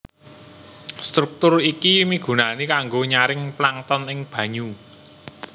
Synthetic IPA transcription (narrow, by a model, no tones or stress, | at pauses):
st̪ɾuk̚t̪ʊrikimiɡ̥ṳnanikaŋɡoɲaɾɪŋplaŋt̪ɔnɪŋb̥ä̤ɲu